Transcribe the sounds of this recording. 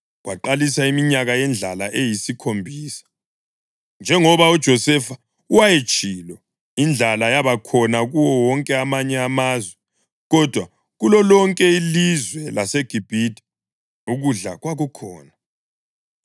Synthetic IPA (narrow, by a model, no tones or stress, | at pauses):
ɣwaǃalisaimiɲaɣajɛnd͡ɮʱalaʔejisikʰombʱiːsḁ | nd͡ʒʱɛŋɔβaud̥ʒ̥ʱɔsɛfa | uwajet͡ʃʼiːlɔ | ind͡ɮʱalajaβakʰɔnaɣuwɔwɔŋkʼɛamaɲɛamazwɛ | ɣɔd̥ʱwa | ɣulɔlɔŋkʼɛilizwɛlaseɡ̥ʱib̥ʱidʰʱʼi̥ | uɣuɮa̰ɣwaɣɔkʰɔːna